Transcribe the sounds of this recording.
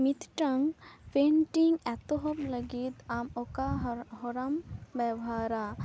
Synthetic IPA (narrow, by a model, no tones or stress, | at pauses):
mit̪ʰʈɐŋpeɳʈiŋɡɛt̪oɦɔpləɡit̪amɔkaɦɔɾɐmbɛbɦaːɾa